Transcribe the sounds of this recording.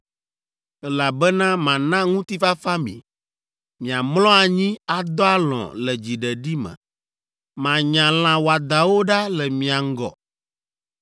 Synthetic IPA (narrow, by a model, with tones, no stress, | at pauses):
ɛ˦la˨bɛ˦nã˦mã˨nã˦ŋũ˦t̪i˦fa˦fa˦mḭ̃˨ | mĩ˨a˨mlɔ̃˦a˨ɲĩ˦a˨d̪ɔ˦a˦lɔ̰̃˨lɛ˨d͡ʑi˨ɖɛ˨ɖi˦mɛ̰̃˨ | mã˨ɲã˨l̃ã˨wo˨a˨d̪a˨wo˦ɖa˦lɛ˨mĩ˨a˨ŋ̩˦ɡɔ̰˨